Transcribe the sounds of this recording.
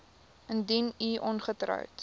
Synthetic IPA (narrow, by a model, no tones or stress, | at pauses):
əndiniʔɔnχətrə̰wt